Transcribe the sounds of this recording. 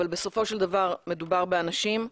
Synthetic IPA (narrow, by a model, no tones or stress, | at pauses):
albe̞so̞fo̞ʃeld̪avaʁme̞d̪ubaʁbeanaʃim